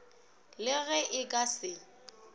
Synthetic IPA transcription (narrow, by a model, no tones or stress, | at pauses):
lɪɣɛʔɪkʼasɪ